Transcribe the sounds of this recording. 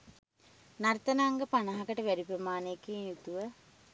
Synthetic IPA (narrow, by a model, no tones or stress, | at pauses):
nart̪ɐnaŋɡəpanɐɦɐkəʈəʋæɾipɾəmaːnejkiːnjut̪uʋə